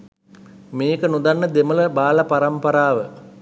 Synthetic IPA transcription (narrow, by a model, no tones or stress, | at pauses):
meːkənud̪anːəd̪emələbaːlapaɾampɐɾaːʋə